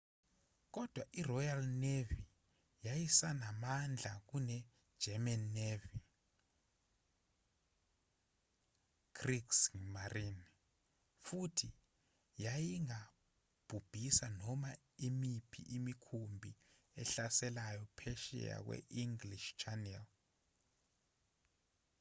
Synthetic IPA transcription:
k̬ɔd̥ʱwaʔirɔjalnevi | jajisanamand͡ɮʱak̬unɛ̥ | d͡ʒ̥ʱɛmanːevi | kriksŋmarin | futʰi | jajiŋa | b̥ʱub̥ʱisanɔma | imipʰḭʔimikʰumbʱi | ɛɬasɛlajɔpʰɛʃɛ̰ja̰k̬wɛ̰ʔiŋɡliʃt͡ʃʰanɛl

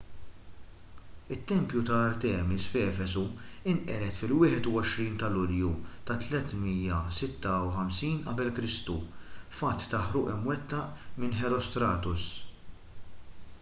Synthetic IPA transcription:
ɪt̪ːɛmpjut̪ɐːɾt̪ɛːmɪsfɛːfɛsuɪnʔɛɾɛt̪fɪlwɪːħɛt̪uɔʃɾiːnt̪ɐlʊljut̪ɐt̪lɛt̪mijɐsɪt̪ːɐuħɐmsiːnʔɐ̰bɛlkɾɪst̪ufɐt̪ːɐħɾʊːʔɪmwɛt̪ːɐʔmɪnħɛɾɔst̪ɾɐːt̪ʊs

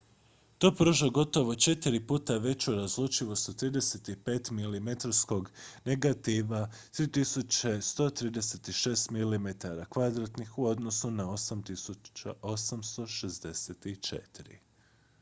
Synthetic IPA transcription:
t̪o̞pɾoʒoɡo̞t̪o̞ʋo̞t͡ʃe̞t̪iɾipuːt̪aʋe̞t͡ɕuɾazlˠuːt͡ʃiʋost̪ot̪ɾiːd̪e̞set̪ipeːt̪milimet̪aɾsko̞ɡne̞ɡat̪iʋa | t̪ɾiːt̪isut͡ɕest̪o̞t̪ɾiːd̪e̞se̞t̪iʃe̞ːst̪milimet̪aɾakʋad̪ɾat̪nixuo̞d̪no̞sunao̞samt̪isut͡ʃao̞samst̪o̞ʃezd̪e̞set̪it͡ʃḛt̪iɾḭ

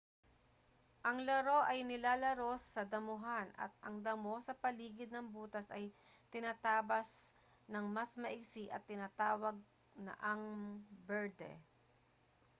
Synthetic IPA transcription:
ʔɐŋlɐɾo̞ʔɐjnɪlaːlɐɾo̞sːɐd̪ɐmʊɦanʔɐ̰t̪̚ɐŋd̪ɐmo̞sɐpɐliːɡɪd̪̚nɐŋbuːt̪ɐsɐjt̪ɪnaːt̪aːbɐs | nɐŋmɐsmɐʔɪɡsiʔɐt̪ːɪnaːt̪aːwɐɡ̚ | nɐ̰ʔɐŋbɛɹd̪ɛ̰

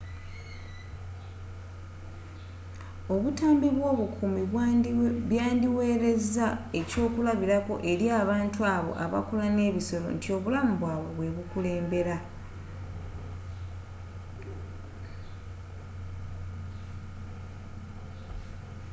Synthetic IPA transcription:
o̞βutaːmbiβwo̞ːβukʰumi | βjaːndiwe̞ːɾe̞zae̞co̞ːkulaβiɾako̞̰ʔe̞ɾjaːβaːntuaβo̞̰ʔa̰βa̰kulane̞ːβiso̞lo̞̰ntʰio̞βulamuβwaːβo̞βwe̞βukule̞ːmbe̞ɾa

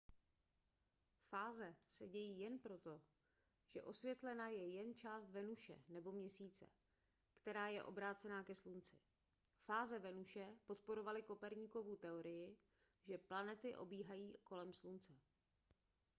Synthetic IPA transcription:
faːzɛsɛɟɛjiːjɛnpɾo̞t̪o̞ | ʒ̥ɛ̰ʔo̞svjɛt̪lɛnajɛjɛnt͡ʃaːst̪vɛnuʃɛ̰nɛbo̞mɲɛsiːt͡sɛ̰ | kt̪ɛɾaːjɛʔo̞̰bɾaːt͡sɛnaːkɛslunt͡sɪ | faːzɛvɛnuʃɛpo̞t̪po̞ɾo̞valɪko̞pɛɾɲiːko̞vut̪ɛoɾɪjɪ | ʒɛplanɛt̪ɪʔo̞̰biːɦajiːko̞lɛmslunt͡sɛ

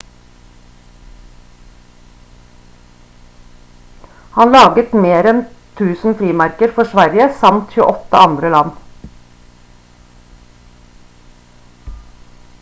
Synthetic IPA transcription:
hɑnlɑːɡət̪meːɾɛnt̪ʰʉːsn̩fɾiːmæɾkəɾfɔʃʋæɾjəsɑmt̪çʉə̰ʔɔt̪ə̰ʔɑnd̪ɾəlɑn

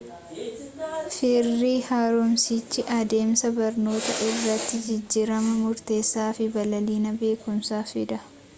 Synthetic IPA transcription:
fɪrːiːhaːɾʊmsit͡ʃːɪʔɐd̪e̞ːmsɐbɐɾno̞ːt̪ɐʔɪrːɐt̪ːɪd͡ʒɪd͡ʒːiːɾɐmɐmʊɾt̪e̞ːsːaːfɪbɐlɐliːnɐbe̞ːkʊmsaːfɪd̪ɐ

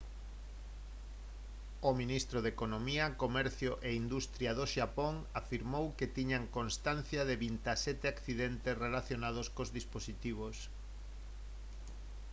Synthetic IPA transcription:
ominist̪ɾoðekonomiɐkomɛɾθjoʔeind̪ust̪ɾjaðoʃapoŋafiɾmowket̪iɲaŋkonst̪anθjaðeβint̪asɛt̪ɪakθiðɛnt̪esrelaθjonað̞oskozðisposit̪iβ̞os

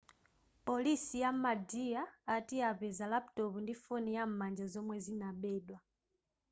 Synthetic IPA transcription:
po̞lisijamadiaːtiaβezalapu̥toβundifonijammaɲd͡ʒazomwezinaβedwa

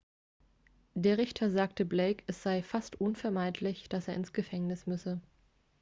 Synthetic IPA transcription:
d̥eːɐʁɪçtʰɐzaːktəbleɪkʰʔɛsz̥aɪfastʔʊnfɛɐmaɪtʰlɪçd̥aseːɐɪnsɡ̥əfɛŋnɪsmʏsə

